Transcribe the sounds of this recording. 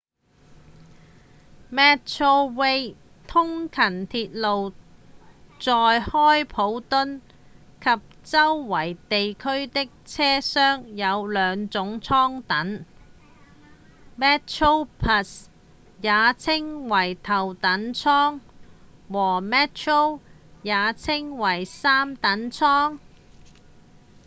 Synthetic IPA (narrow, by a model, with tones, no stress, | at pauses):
mɛː˥tt͡ʃʰo˥wwe˥j | t̪ʰʊ˥ŋkʰɐ˨˩nt̪ʰiː˧t̚lo˨w | t͡sɔː˨˧jhɔː˥jpʰo˨˥wt̪ʊ˥n | kʰɐ˨p̚t͡sɐ˥wːɐ˨˩jt̪e˨jkʰɵ˥ɥt̪ɪ˥k̚t͡sʰɛː˥sœː˥ŋjɐ˨˧wlœː˨˧ŋt͡sʊ˨˥ŋt͡sʰɔː˥ŋt̪ɐ˨˥n | mɛː˥t͡ʃʰo˥wpʰɐ˧s | jaː˨˧t͡sʰɪ˥ŋwɐ˨˩jt̪ʰɐ˨˩wt̪ɐ˨˥nt͡sʰɔː˥ŋ | wɔː˨˩mɛː˥tt͡ʃʰo˥w | jaː˨˧t͡sʰɪ˥ŋwɐ˨˩jsaː˥mt̪ɐ˨˥nt͡sʰɔː˥ŋ